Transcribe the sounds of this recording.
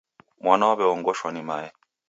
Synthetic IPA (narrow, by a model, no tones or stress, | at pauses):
mwanawaβɛɔŋɡɔʃwanimajɛ